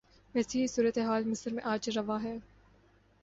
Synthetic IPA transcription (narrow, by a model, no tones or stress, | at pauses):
ʋɛːseɦisuːɾət̪eɦaːlmɪsəɾmẽʔaːd͡ʒɾɐʋaɦɛː